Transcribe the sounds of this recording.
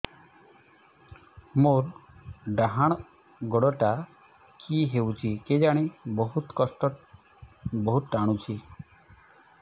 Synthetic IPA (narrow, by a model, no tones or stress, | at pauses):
moɾɖaɦaɽ̃ | ɡɔɽɔʈa | kʰiɦewt͡ʃʰiked͡ʒaɽ̃ibɔɦut̪kɔsʈɔ | bɔɦut̪ʈaɽ̃ũt͡ʃʰi